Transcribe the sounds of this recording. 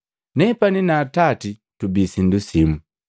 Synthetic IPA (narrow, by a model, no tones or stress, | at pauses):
nɛpaninatati | tubisindusimu